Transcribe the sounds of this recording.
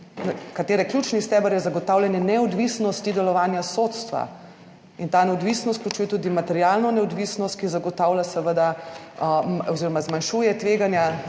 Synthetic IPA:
kat̪eːɾɛklʲjuːt͡ʃnist̪ɛːbəɾjɛzaɡɔt̪aːwlʲjɛnjɛnɛɔd̪ʋisnɔst̪id̪ɛlɔʋaːnjasot̪st̪ʋa̰ | int̪aːnɛɔd̪ʋisnɔst̪̚klʲjut͡ʃuːjɛt̪ud̪imat̪ɛɾjaːlnɔnɛɔd̪ʋisnɔst̪̚kizaɡɔt̪aːwlʲjasəʋəd̪a | ɔziːɾɔmazmanʃuːjɛt̪ʋeːɡanja

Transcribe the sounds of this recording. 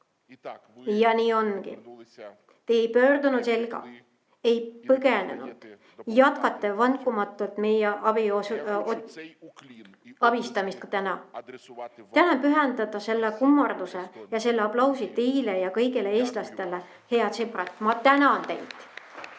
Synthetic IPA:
jɑniːo̞nkḭ | t̪eːjpø̞ːrd̪unud̪se̞lɡ̥ɑ̰ | e̞jpɤɡenḛnṵd̪̥ | jɑt̪kɑt̪ːˑevɑnkˑumɑt̪ːˑult̪me̞jeʔɑbis | ɑb̥ist̪ɑmist̪̚kut̪ænɑ | t̪ænenpyɦɛnd̪̥ɑd̪ɑse̞lːekumːɑrd̪usejɑse̞lːeɑplɑwsit̪e̞jlejɑkɤ̞jɡeleeːst̪lɑst̪e̞le | he̞ɑt̪seprɑt̪ːˑmɑt̪ænɑnt̪æ̰jt̪ˑ

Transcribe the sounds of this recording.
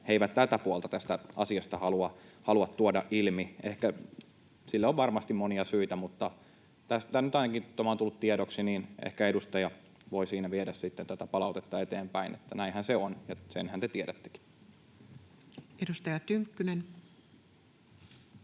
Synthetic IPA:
heiʋæt̪t̪ælt̪æpuolt̪ɑt̪æst̪æɑsiɑst̪ɑhɑluɑhɑluɑt̪t̪uodɑʔʔilmiehkæ | silːeoʋʋɑrmɑst̪immoniɑsyit̪æmut̪ːɑ | t̪æst̪ænnyt̪ɑinɑkit̪omɑˑnt̪ulːut̪t̪ieɾoksiniːnʔḛhkæedust̪ɑjɑ | ʋoisiːnæʋieɾæssit̪ːent̪æt̪æpɑlɑut̪et̪ːɑet̪eːmpæinḛt̪ːænæinhænseonjɑsḛnhænt̪et̪ieɾæt̪ːe̥ki̥ | edust̪ɑjɑt̪yŋkːynen

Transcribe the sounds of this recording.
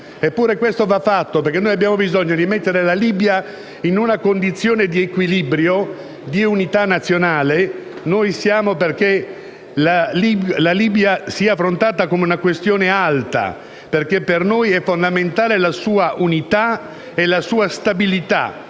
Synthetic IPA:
epːuːɾekwest̪ovafːat̪ːoperkenːoːjabjaːmobizɔɲːod̪imet̪ːeɾelaliːbja | inunakond̪it̪sːjoːned̪iekwilibɾjo | d̪iunit̪anːat̪sːjonaːle | nojsjaːmoperke | lalilaliːbjasiaafːɾont̪aːt̪akomeunakwest̪joːnealt̪a̰ | perkepːernojɛfːond̪ament̪aːlelasuːaʔunit̪a | elasuːast̪abilit̪a̰

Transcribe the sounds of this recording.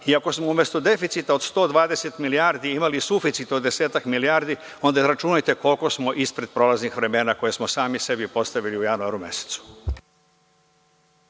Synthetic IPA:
iako̞smoume̞st̪od̪e̞fit̪sit̪ao̞d̪st̪o̞ːd̪ʋaːd̪e̞se̞t̪miliaɾd̪iimalisufit̪sit̪od̪ːe̞seːt̪akmiliaːɾd̪i | o̞nd̪aɾat͡ʃunajt̪e̞ko̞lko̞smo̞ʔispɾe̞d̪̥̚pɾo̞ːlaznixʋɾe̞me̞ːnako̞je̞smosaːmise̞bipo̞st̪aʋiliujanuaɾume̞̰se̥t̪su̥

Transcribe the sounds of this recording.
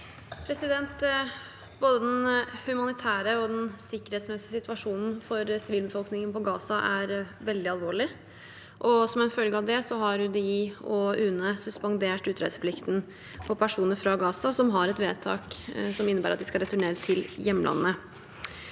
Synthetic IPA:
pʰɾɛsɪd̪ɛnt̪ | boːd̪əd̪ɛnhʉmɑnɪt̪ʰæːɾəɔd̪ɛnsɪkːəɾhet̪smɛsɪəsɪt̪ʋɑʂuːnn̩fɔɾsɪʋiːlbəfɔlknɪŋənpɔɡɑːsɑʔæɾʋɛld̪ɪɑlʋoːɭɪ | ʔɔsɔmɛnfœlɡəɑʋd̪ɛsɔɦɑɾʉd̪ɛɪɔʉnəsʉspɑŋd̪eːʈʉːt̪ʰɾɛ̰d̪səpʰlɪkt̪n̩ | pʰɔpʰæʂuːnəɾfɾɑɡɑːsɑsɔmɦɑɾɛt̪ʋeːt̪ʰɑ̰ːksɔmɪnːəbæːɾɑt̪̚d̪ɪskɑd̪ɛt̪ʉɳeːɾət̪ʰɪljɛmːəlʔɑ̰nːə

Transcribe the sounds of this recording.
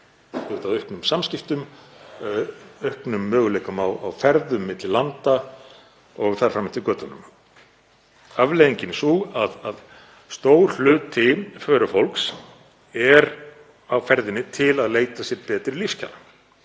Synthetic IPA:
t̪ʏht̪aðœhknʏmsamscɪft̪ʏm | œhknʏmːœːɣʏleːjkʏmawa̰wfɛɾðʏmːɪt̪lɪlant̪a | ɔɣθaɾ̥fɾamːɪt̪ɪkœːt̪anʏ̰m | avlejðiɲcɪnsuaðað | st̪oːwɾl̥ʏːt̪ʰɪfœːɾʏfowlks | ɛɾ | awfɛɾðɪnːɪt̪ʰɪlaðleːjt̪asjɛɾpɛːt̪ɾɪlifscʰa̰la

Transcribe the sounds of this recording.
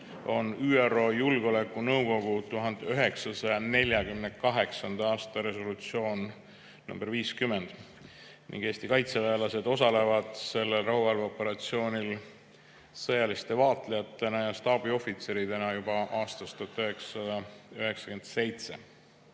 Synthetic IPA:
o̞̰nyːero̞ːjulɡo̞le̞kːˑunɤwɡ̥o̞ɡ̥ut̪uɦɑnd̪eøɦe̞ksɑsɑjɑne̞lʲjɑɡymnekɑɦe̞ksɑnd̪̥ɑɑːst̪ɑɾe̞so̞lut̪sio̞ːn | nṵmb̥e̞ɾviːskymːe̞nd̪̥ | nḭŋɡ̥eːst̪ikɑjt̪seveːlɑse̞d̪o̞sɑle̞vɑd̪̥se̞lːe̞lrɑɦuvɑlvopːe̞ɾɑt̪sio̞ːnʲil | sɤjɑlist̪e̞vɑːt̪ˑlejɑt̪ːˑe̞nɑjɑst̪ɑːbio̞fit̪se̞ɾid̪e̞nɑjub̥ɑʔɑːst̪ɑst̪ot̪ːˑøɦe̞ksɑ̥sɑd̪ɑøɦe̞ksɑ̥kyend̪se̞jt̪se̞

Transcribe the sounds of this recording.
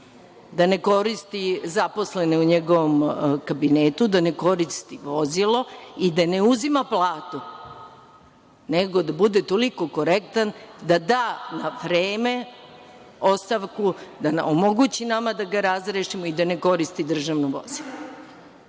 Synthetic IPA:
d̪ane̞ko̞ɾist̪izapo̞sle̞neuɲeɡo̞ʋomkabinet̪ud̪ane̞ko̞ɾist̪iʋo̞zilo̞id̪ane̞uzimaplˠaːt̪u | neɡo̞d̪abud̪et̪oliko̞ko̞ɾekt̪and̪ad̪aːnaʋɾeːme̞ | o̞st̪aʋkud̪anomoɡut͡ɕinamad̪aɡaɾazɾeʃimoid̪ane̞ko̞ɾist̪id̪r̩ʒaʋnuʋo̰zilˠo

